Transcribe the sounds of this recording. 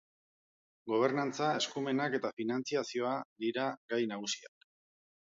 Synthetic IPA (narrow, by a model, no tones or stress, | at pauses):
ɡo̞β̞e̞ɾnant͡sae̞skume̞nake̞t̪afinant͡siasio̞ad̪iɾaɡajnaɣ̞usia̰k